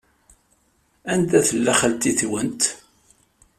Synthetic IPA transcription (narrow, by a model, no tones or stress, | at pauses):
ænd̪æθəlːæχəlt̪iθwənt̪